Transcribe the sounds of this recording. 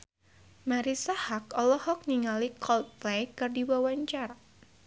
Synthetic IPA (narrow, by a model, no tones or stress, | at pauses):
maɾisahak̚ɔlɔhɔk̚niŋalikɔlplejkɨrdiwawaɲt͡ʃaɾa